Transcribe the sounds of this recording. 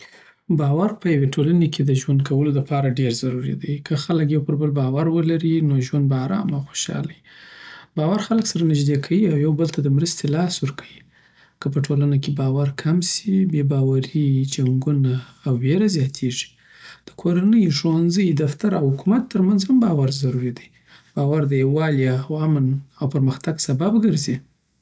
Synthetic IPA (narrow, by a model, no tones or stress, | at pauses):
bɑwaɾpəjaweʈʰolanekʰed̪əʒwand̪̚kʰawəlolapɑɾaɖeɾzaɾuɾḭd̪ajkʰəxalək̬jawpəɾbəlbɑwaɾwəlaɾinoʒwand̪̚baaɾɑ̰maxo̥ʃɑ̰laji | bɑwaɾxaləksaɾanɪʒd̪ekʰawiawjawbəlt̪ad̪əmɾəst̪elɑswəɾkʰawi | kəp̬əʈʰolanakebɑwaɾkʰamsibebɑwaɾid͡ʒaŋɡunaːwːeɾazjɑt̪ʰeʐi̥ | d̪̥ə̥kʰoɾanəjʐwanzəjd̪aft̪aɾawhʊkumat̪ːəɾmanzhambɑwaɾzaɾuɾid̪aj | b̥ɑwaɾd̪əjewɑljawamənawpəɾməxt̪aɡsababɡəɾzi